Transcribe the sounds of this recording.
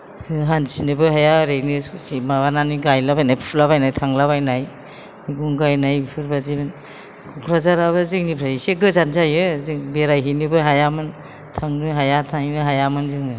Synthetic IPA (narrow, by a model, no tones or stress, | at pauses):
sɯɦansinɯbɯɦajaɾenissimaβananiɡajlabajnajpʰulaβajnajtʰaŋlaβajnaj | miɡuŋɡajnajpʰɯɾbazibɯn | kʰukʰɾazaɾaβɯzɯŋnipʰɾaiseɡɯzanzajɯzɯŋbeɾajɦinibɯɦajamɯn | tʰaŋnɯɦajatʰaŋinɯɦajamɯnzɯŋɯ